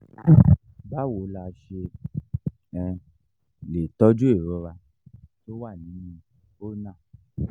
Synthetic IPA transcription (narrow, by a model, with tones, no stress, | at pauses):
ba˦wo˨˦la˧˨ʃe˧ | ɛ˧ | le˨tɔ˦d͡ʒu˦e˦˨ɾɔ˨˦ɾa˧ | to˦wa˦˨nĩ˨˦nĩ˧ | o˦nã˦˨